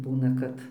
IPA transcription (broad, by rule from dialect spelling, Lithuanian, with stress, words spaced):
ˈbuːnɐ kɐt